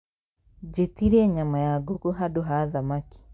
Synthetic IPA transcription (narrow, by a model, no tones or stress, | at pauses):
d͡ʒetiɾiɛɲamajaɡokuɦadoɦaðamaki̥